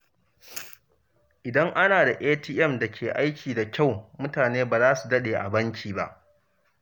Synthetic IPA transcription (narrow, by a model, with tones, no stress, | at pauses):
ʔɪ˨dɐ˦ŋʔa˦naː˨da˨ʔeː˦tiː˦ʔɛ˦˨mda˨kʲʰeː˨ʔa˦jkʲʰiː˨da˨kʲa˦˨wmʊ˦taː˨neː˦baː˨zaː˦su˨dɐ˦ɗeː˨ʔa̰˨bɐ˦ŋkʲʰiː˨ba̰˦ʔ